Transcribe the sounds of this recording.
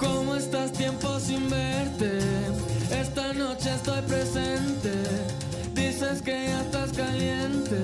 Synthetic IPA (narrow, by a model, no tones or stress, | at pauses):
komoest̪ast̪jemposimbeɾt̪e | est̪anot͡ʃeest̪ojpɾesent̪e | d̪iseskeʒaest̪askaljent̪e